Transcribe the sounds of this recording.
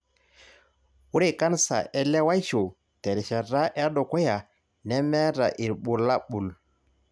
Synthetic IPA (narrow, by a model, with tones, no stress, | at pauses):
wu˦ɾe˦˨ka˦nsa̰˨ʔɛ˦lɛ˦wa˦jʃo˨ | tɛ˨ɾɛ˨ʃa˨ɾa˦ʔɛ˦ɗɔ˨kɔ˦ja˨ | nɛ˦mɛ˦ɾa̰˨ʔi˨ɾɓu˨la˦ɓu˨l